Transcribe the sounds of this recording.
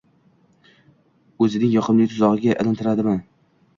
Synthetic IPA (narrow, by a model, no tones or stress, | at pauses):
ɵzɪnɪŋjɒqʰɨmlɪt̪ʰʊzɒʁɨɡʲaʔɪlˠɪnt̪ʰɪɾad̪ɪman